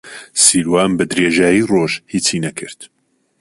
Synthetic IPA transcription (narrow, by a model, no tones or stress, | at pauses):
siːɾwaːnbɨd̪ɾeːʒaːjiːroːʒhiːt͡sʰiːnɛkʰɨɾt̪